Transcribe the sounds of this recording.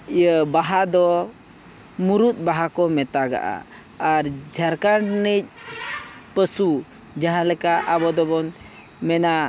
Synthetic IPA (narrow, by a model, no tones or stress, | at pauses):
ijəbaɦad̪ɔ | muɾut̪̚ˀbaɦakɔmɛt̪aɡa̰ʔa̰ | aɾd͡ʒʱaɾkaɖnəc̚ˀ | pəsu | d͡ʒaɦãlɛkaʔabɔd̪ɔbɔn | mɛna